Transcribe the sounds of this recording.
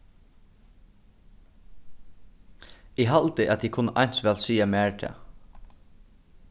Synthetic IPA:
ɪɦalt̪ɪʔa̰t̪ʰiːkʰʊnːəʔajnsʋɛːlsiːamɛːɹt̪ʰɛ̰ː

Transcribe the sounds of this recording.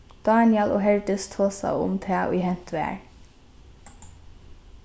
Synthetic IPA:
d̪̥ɑːnɪɛloːɦɛɹd̪ɪst̪ʰoːsa̰ʊ̰mt̪ʰɛːʔʊ̰jɦɛn̥t̪ʋæ̰ːɹ

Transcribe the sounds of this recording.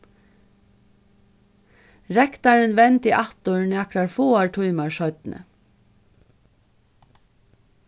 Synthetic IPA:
ɹɛkt̪ɑɹənʋɛnt̪iːʔɑt̪ʊɹɳɑkɾɑɹfoːaɹʈʰuʏmɑɹʃœʏt̪n̩ʔə̰

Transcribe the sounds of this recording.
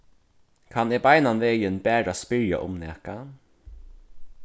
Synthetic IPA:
kʰanɛbajnanveːjɪnbæːɹaspɪɹja̰ʔʊ̰mnɛːka

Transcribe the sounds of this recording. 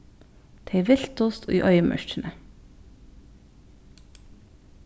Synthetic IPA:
t̪ʰeɪʋɪlt̪ʊst̪o̰ːʔḭːʔœʏmʔœ̰ʃʈnə

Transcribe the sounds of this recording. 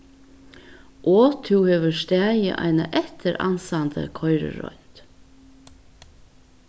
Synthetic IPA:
ʔoːt̪ʰʉːheːʋəʃt̪æːjə̰ʔɑ̰ɪnaʔɛt̪ʰəɾʔɑ̰nsɑnd̪ʰə̰kʰɔʏɹə̰ɹɔ̰ʏnt̪

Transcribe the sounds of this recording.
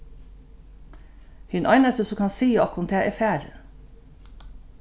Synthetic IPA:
hɪnʔɑɪnəst̪əsɔkʰɑnsiːɔkʊnt̪ʰeːʔɛfæːɾ

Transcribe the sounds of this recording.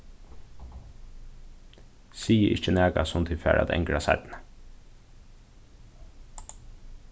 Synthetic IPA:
siːəʔɪ̰ht͡ʃənæːkasʊmt̪ʰiːfæ̰ːɹʔa̰t̪ɛ̰ŋkɹasa̰t̪nə

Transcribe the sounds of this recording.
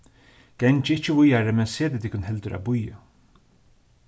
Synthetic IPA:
ɡ̥ɛnt͡ʃɪɪt͡ʃːɪvʊjaɾɪmɛnseːt̪ɪt̪ʰɪkʊnɦɛlt̪ʏɾa̰bʊja

